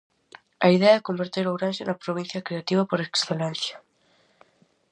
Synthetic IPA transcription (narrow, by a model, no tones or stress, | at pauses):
ɐiðeɐɛɛkombeɾt̪eɾowɾanʃenɐpɾoβin̟θjɐkɾeat̪iβ̞ɐpoɾeksθelãn̟θjḁ